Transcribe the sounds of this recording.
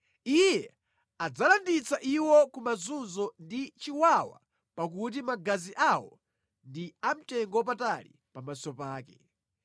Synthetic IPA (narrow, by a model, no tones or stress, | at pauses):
ijɛ | ad͡zalandit͡saʔiwɔkumazunzɔndit͡ʃiwawa̰ | pak̬ut̬imaɡaziʔawɔ | ndiam̩tɛŋɡɔp̬atalḭ | pamasɔpaːkɛ